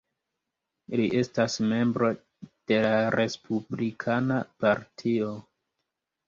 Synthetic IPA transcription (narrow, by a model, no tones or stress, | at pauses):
liʔe̞stasme̞mbɾo̞ | d̥e̞laɾe̞spʰublikʰanapaɾtʰio̞